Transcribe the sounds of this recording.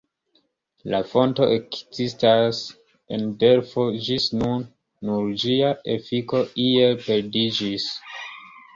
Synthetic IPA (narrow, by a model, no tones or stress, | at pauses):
lafo̞nto̞ʔekz̥istas | ḛnde̞ɾfo̞d͡ʒisnunː | uɾd͡ʒiaʔefiko̞iepe̞ɾdid͡ʒis